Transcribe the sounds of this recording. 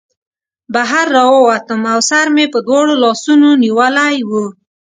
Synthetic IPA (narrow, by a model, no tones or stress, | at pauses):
baɦaɾːɑwəwat̪əmawsaɾmepəd̪wɑɽolɑsunoniwəlajwu